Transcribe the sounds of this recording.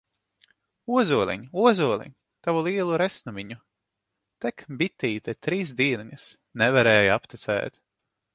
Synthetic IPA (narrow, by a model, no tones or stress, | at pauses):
uɔzuɔlʲˠɛ̰ɲuɔzuɔlʲˠɛ̰ɲ | t̪avulˠiɛlˠuɾɛsnumʲiɲu | t̪ɛkbit̪ːiːt̪ɛt̪ɾiːsd̪iːnɲɐs | nɛvaɾɛːjapt̪ɛt̪sɛ̰ːt̪